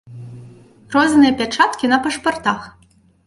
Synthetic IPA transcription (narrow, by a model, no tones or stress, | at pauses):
rɔznɨjɐpʲat͡ʂat̪kʲinɐpɐʂpart̪ax